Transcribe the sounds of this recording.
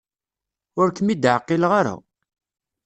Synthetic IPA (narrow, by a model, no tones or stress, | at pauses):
ʊɾkəmid̪ʕqːilʁaɾa̰